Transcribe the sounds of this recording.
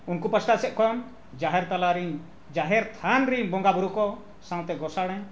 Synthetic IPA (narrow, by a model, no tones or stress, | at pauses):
unkupəsʈasɛʔ̚kɔm | d͡ʒaɦɛɾt̪alaɾiɲ | d͡ʒaɦɛɾt̪ʰanɾiɲbɔŋɡabuɾukɔ | sãw̃t̪ɛɡɔsaɽ̃ɛ̃